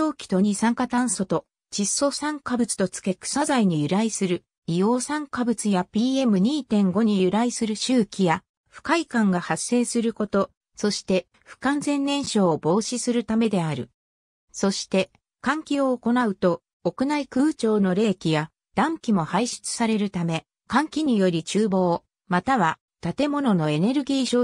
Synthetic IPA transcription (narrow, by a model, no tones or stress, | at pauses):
o̞ːkʲi̥t̪o̞ɲ̟isãŋkat̪ãɰ̃so̞t̪o̞ | t͡ɕisːo̞sãŋkabɯ̟t͡sɨ̥t̪o̞t͡sɨ̥ke̞kɯ̥sazaiɲ̟ijɯ̟ɾaisɨɾɯ̟ | ijo̞ːsãŋkabɯ̟t͡sɨjapʲiːe̞mɯ̟ɲ̟iːt̪ẽ̞ŋɡo̞ɲ̟ijɯ̟ɾaisɨɾɯ̟ɕɨːkʲija | ɸɯ̟̥kaikãŋɡahasːe̞ːsɨɾɯ̟ko̞t̪o̞ | so̞ɕi̥t̪e̞ | ɸɯ̟̥kãnzẽ̞nːẽ̞ɰ̃ɕo̞ːbo̞ːɕisɨɾɯ̟t̪ame̞d̪e̞aɾɯ̟̰ | so̞ɕi̥t̪e̞ | kãŋkʲio̞ːko̞naɯ̟t̪o̞ː | kɯ̟naikɯ̟ːt͡ɕo̞ːno̞ɾe̞ːkʲija | d̪̥ãŋkʲimo̞haiɕi̥t͡sɨ̥saɾe̞ɾɯ̟t̪ame̞ | kãŋkʲiɲ̟ijo̞ɾʲit͡ɕɨːbo̞ː | mat̪aβa | t̪at̪e̞mo̞no̞no̞e̞ne̞ɾɯ̟ɡʲiːɕoː